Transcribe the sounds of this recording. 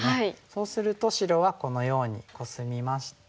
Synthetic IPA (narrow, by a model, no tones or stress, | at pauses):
haiso̞ːsɨɾɯ̟t̪o̞ɕiɾo̞βako̞no̞jo̞ːɲ̟iko̞sɨmʲimaɕi̥t̪